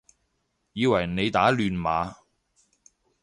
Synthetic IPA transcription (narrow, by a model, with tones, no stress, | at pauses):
jiː˨˧wɐ˨˩jne˨˧jt̪aː˨˥lyː˨nma̰ː˨˧